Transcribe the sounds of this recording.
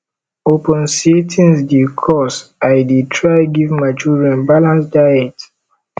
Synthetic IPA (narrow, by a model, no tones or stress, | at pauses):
opɔ̃nsitʰĩnsdikʰɔsajditʰɹajɡivmat͡ʃuɹiãnbalãnsdajɛt